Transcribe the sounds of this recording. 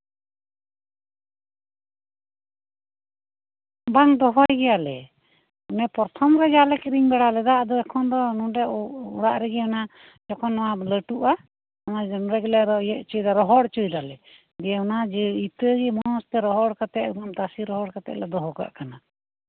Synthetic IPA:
baŋd̪ɔɦɔjɡɛjalɛ | ɔnɛpɔɾt̪ʰɔmɾɛd͡ʒalɛkɾiŋbɛɽalɛd̪aʔd̪ɔɛkʰɔnd̪ɔnũɖɛṵɽaʔɾɛɡɛɔna | d͡ʒɔkʰɔnːɔwaləʈuʔa | ɔnad͡ʒɔnɾɛɡɛlɛɾɔɛʔt͡ʃɔjd̪aɾɔɦɔɽt͡ʃujd̪alɛ | ɡɛɔnad͡ʒɛit̪əɡɛmɔɔst̪ɛɾɔɦɔɽkat̪ɛʔbamt̪asiɾɔɦɔɽkat̪ɛ̰ʔlɛd̪ɔɦɔka̰ʔkana

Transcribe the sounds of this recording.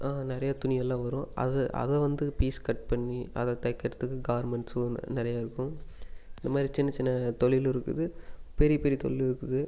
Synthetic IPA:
ʔaːnɪɾɐjat̪ʊnɪjɐlːãːʋɐɾʊ̃ːɐ̰ðɯʔɐ̰ðɛʋɐnd̪ɯpiːskɐʈ̚pɐɳːiɐ̰ðɐt̪ɐjkːɐɾɐt̪ːɯkːɯɡaːʋɐɾmɛɳʈsnɪɾɐjaːɪɾɯkːʊ̃ɪnd̪ɐmaːd̪ɾit͡ʃɪnːɐt͡ʃɪnːɐt̪ɔɭɪlɪɾɯkːɯðɯpɛɾɪjɐpɛɾit̪ɔ̰ɭɪlɪɾɯkːɯðɯ

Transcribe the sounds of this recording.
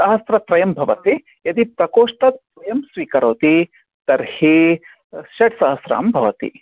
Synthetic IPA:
sɐɦɐsɾɐt̪ɾɐjɐmbʱɐʋɐt̪i | jɐt̪ipɾɐkoːʂʈɐt̪̚pɾɐjɐmsʋiːkɐɾoːt̪i | t̪ɐɾhi | ʃɐʈsɐɦɐsɾa̰ːmbʱɐʋɐt̪ḭ

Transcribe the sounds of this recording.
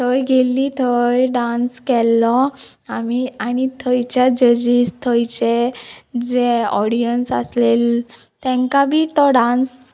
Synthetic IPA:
t̪ʰəjɡelːiːt̪ʰəjɖãnskɛlːɔ | amiaɽ̃it̪ʰəjt͡ɕjad͡ʑəd͡ʑiːst̪ʰəjt͡ɕed͡zeɔɽijənsa̰slel | t̪ɛ̃ŋkabʱiːt̪ɔɖãns

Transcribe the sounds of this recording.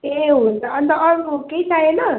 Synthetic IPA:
eɦunt̪ʌʌnt̪ʌʌɾukeit͡sajenʌ

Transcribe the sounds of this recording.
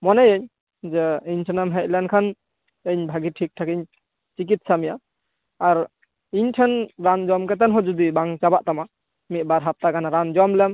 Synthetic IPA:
mɔnɛjeɲ | d͡ʒɛiɲtʰɛnamɦɛt̚lankʰan | eɲbʱaɡiʈʰik̚ʈʰakiɲ | t͡ʃik̬it̪̚samijaː | ɾ | iɲʈʰɛnɾand͡ʒɔmkɛt̪ɛnɦɔd͡ʒud̪ibaŋt͡ʃabaʔt̪ama | mit̪̚baɾɦap̚t̪aɡanaɾand͡ʒɔmlɛm

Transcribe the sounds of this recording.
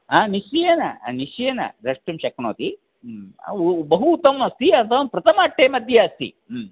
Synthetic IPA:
aːnisijenɐ̰nisjɐnɐ̰ɾɐʂʈumʃɐkno̰ːt̪ḭ | bɐɦuːt̪ɐmnɐst̪iɐt̪ʰɐʋmpɾɐt̪ɐmaːʈːeːmɐd̪ʱjɐɐst̪ḭ

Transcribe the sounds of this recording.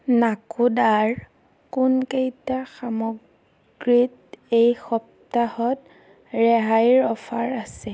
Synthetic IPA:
nakudaɹ | kunkejtaxamɔɡ | ɹit | ejxɔp̚ | tahɔt | ɹɛɦajɹɔfʰaɹasɛ

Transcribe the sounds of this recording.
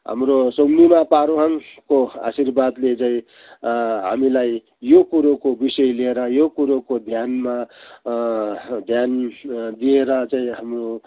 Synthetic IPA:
ɦa̰mɾosomnimapaɾoɦaŋkoa̰sirbad̪let͡saĩ | ɦa̰milaj | jokuɾokobisʌjlieɾʌjokuɾokod̪ʱjanma | d̪ʱjand̪ieɾʌt͡saĩɦamro

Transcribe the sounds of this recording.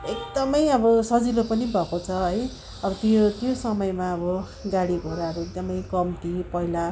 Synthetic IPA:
ek̚d̪ʌmʌjʌbʌsʌd͡zilopʌnibʱʌkot͡sʰʌɦʌj | ʌbʌt̪ot̪josʌmʌjmaʌbʌ | ɡaɽiɡʱoɾaɦʌɾuek̚d̪ʌmʌjkʌmt̪ipʌila

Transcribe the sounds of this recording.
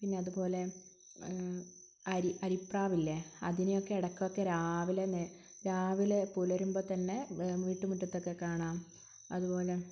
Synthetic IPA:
pinːe̞ɐðubo̞ːle̞ | ɐɾiʔɐɾipraːʋilːɐɐ̰ðinejo̞kːe̞ːɽɐkːokːe̞ɾaːʋilene | ɾaːʋilepulɐɾumboːt̪ɐnːe̞ʋiːʈːumuʈːɐt̪ːo̞kːekːaːɳaːm | ɐðubo̞ːle̞

